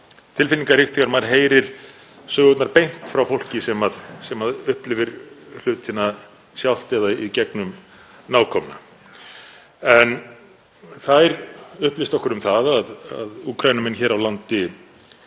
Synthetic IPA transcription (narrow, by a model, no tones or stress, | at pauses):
t̪ʰɪlfɪniŋkarɪft̪ʰikaɾmaɾɦeːjɾɪɾ̥ | sœːɣʏt̪naɾpejn̥t̪fɾawfowl̥cɪsɛmaðsɛmaðʏhplɪvɪɾl̥ʏːt̪ʰɪnːa | sjawl̥t̪ɛðaicɛknʏm | naːwkʰɔmɪna̰ | ɛn | θaɛɾʏhplɪst̪ɔhkʏɾʏmθaðaða̰ðuːkʰɾajnʏmɛnçɛːɾawlant̪ɪ